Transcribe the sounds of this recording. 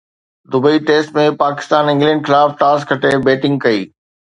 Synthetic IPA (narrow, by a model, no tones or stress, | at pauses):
d̪ʊbəiʈeːsʈmẽpaːkɪ̥st̪aːnɪ̃ŋɡlɛ̃ːɳɖxɪlaːfʈaːskʰɐʈebeːʈɪ̃ŋɡ̚kɐḭː